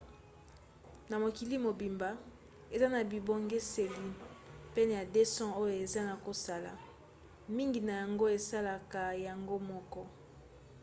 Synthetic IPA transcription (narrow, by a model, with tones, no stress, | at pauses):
na˨mo˨ki˨li˦mo˨bi˨mba˨ | e˨za˦na˨bi˨bo˦ŋɡe˦se˨li˨pe˦n˨ja˨de˦sɔ̃˦o˦jo˨e˨za˦na˨ko˨sa˨la̰˨ | mi˦ŋɡi˨na˨ja˨ŋɡo˦e˨sa˦la˨ka˨ja˨ŋɡo˦mɔ˦kɔ˦